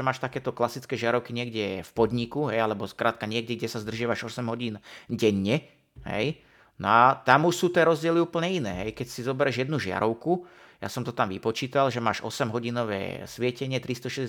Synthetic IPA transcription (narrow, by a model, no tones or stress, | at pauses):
ɛmaːʃt̪akɛːt̪ɔklasit͡skɛːʒɪaɾɔʊkiɲɪɛɡɟɛfpɔd̪ɲikuɦɛjalɛbɔskɾʔaːt̪̚kaɲɪɛɡ̚ɟɛɡɟɛsazd̪r̩ʒɪaʋaʒɔsɛmɦɔɟiːnɟɛɲːɛ | ɦɛ̰j | nɔat̪amuʃsuːt̪ɪɛːɾɔzɟɪɛliuːpl̩ɲɛinɛːɦɛjkɛcsizɔbɛɾɛʒjɛd̪nuʒɪa̰ɾɔʊku | ja̰sɔmt̪ɔt̪amʋipɔt͡ʃiːt̪alʒɛma̰ːʃɔ̰sɛmɦɔɟinɔʋɛ̰ːsʋɪɛcɛɲɪɛt̪ɾist̪ɔʃɛz